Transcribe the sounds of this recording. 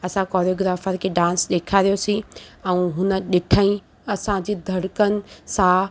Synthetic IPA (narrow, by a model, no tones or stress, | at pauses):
ɐsãkɔːɾjoːɡɾaːfəɾkʰeːɖãːnsɗeːkʰaɾijosĩɛ̃ːɦʊnə̆ɗɪʈʰaːĩ | ɐsãd͡ʑiːd̪ʱɐɽkənɪ̆sã